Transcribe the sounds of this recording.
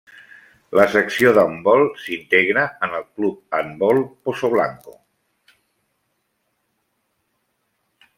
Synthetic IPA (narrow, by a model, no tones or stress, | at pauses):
ləsəksioðambɔlˠsint̪eɣɾəənəlˠklup̚ambɔlˠposoβ̞la̰ŋko